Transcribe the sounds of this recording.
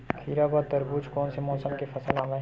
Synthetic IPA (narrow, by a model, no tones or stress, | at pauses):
kʰiːɾabaːt̪ɐɾbuːd͡ʒkɔːnsemɔːsəmkefɐsəlãːʋẽ